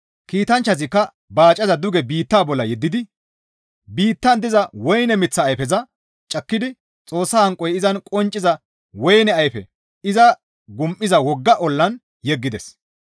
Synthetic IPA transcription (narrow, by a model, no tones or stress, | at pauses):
kiːt̪ɐnt͡ʃːɐzɪkːɐ | baːt͡ʃʼɐzɐd̪ʊɡɛbiːt̪ːaːbɔlːɐjɛd̪ːɪd̪ɪ | biːt̪ːɐnd̪ɪzɐwɔjnɛmɪt͡sːɐːjfɛzɐ | t͡ʃʼɐkːɪd̪ɪ | t͡sʼo̞ːsːɐhɐŋkʼːɔjɪzɐnkʼɔnt͡ʃʼːɪzɐ | wɔjnɛɐjfɛ̰ | ɪzɐ | ɡʊmʔːɪzɐwɔɡːɐʔɔlːɐn | jɛɡːɪd̪ɛs